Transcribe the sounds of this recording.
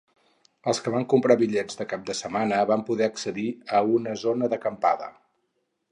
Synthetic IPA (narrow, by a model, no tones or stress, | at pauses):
əlˠskəβaŋkumpɾaβiʎɛd͡zd̪əkap̚d̪əsəmanəβampuðɛəksəðiəunəzonəðəkəmpaðə̰